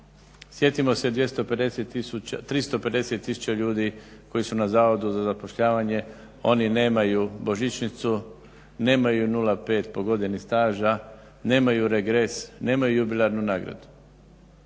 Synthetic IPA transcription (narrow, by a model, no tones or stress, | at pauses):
sje̞t̪imo̞se̞d̪ʋje̞st̪ope̞d̪e̞set̪ːiut̪ɾist̪o̞pe̞d̪e̞se̞t̪ːisu̥t͡ʃt͡ɕaʎuːd̪iko̞jisunazaːʋo̞d̪uzazapo̞ʃʎaːʋaɲe̞ | o̞nine̞ːmajubo̞ʒit͡ʃnit̪su | ne̞ːmajunulape̞ːt̪po̞ɡo̞d̪enist̪aːʒa | ne̞ːmajuɾeɡɾesne̞ːmajujubilˠaɾnunaːɡɾa̰d̪u̥